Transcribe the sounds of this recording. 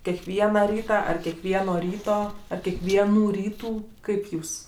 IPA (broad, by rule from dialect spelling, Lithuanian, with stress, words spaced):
kʲɛkˈʋʲiɛnɐ ˈrʲiːtɐ ˈɐr kʲɛkˈʋʲiɛnoː ˈrʲiːtoː ˈɐr kʲiɛkˈʋʲiɛnuː ˈrʲiːtuː ˈkɐɪp ˈjuːs